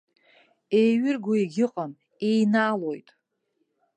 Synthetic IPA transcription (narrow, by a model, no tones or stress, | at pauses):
ejɥɪrɡoiɡʲɪqʼən | ejnaːlojtʼ